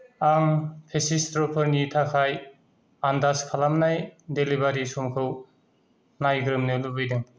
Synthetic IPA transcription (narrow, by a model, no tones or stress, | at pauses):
aŋpʰesistɾɔpʰɯɾnitʰakʰaj | andaskʰalamnajdelibaɾisumkʰɯw | najɡɾɯmnɯlubɯjdɯŋ